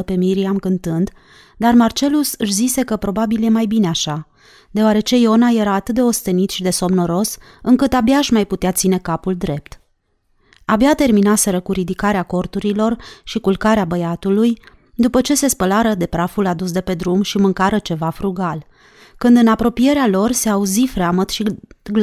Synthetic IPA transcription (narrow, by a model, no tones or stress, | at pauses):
pe̞miɾiamkɨnt̪ɨnd̪ | d̪armart͡ʃe̞lusɨʃzise̞kəpɾo̞babilje̞majbineaʃa | d̪eoaɾe̞t͡ʃe̞io̞naje̞ɾaːt̪ɨt̪̚d̪eo̞st̪e̞nit̪ʃid̪e̞so̞mno̞ɾo̞s | ɨŋkɨt̪abjaːʃmajput̪eat̪sine̞kapuld̪ɾe̞p̚t̪ | abjat̪e̞rminase̞ɾəkuɾid̪ikaɾeako̞rt̪uɾilo̞rʃikulkaɾeabəjat̪uluj | d̪upət͡ʃe̞se̞spəlaɾəd̪e̞pɾafulad̪us̬d̪e̞pe̞d̪ɾumʃimɨŋkaɾət͡ʃe̞vafɾuɡal | kɨnd̪ɨnapɾo̞pije̞ɾealo̞rse̞auzifɾeamət̪ʃiɡl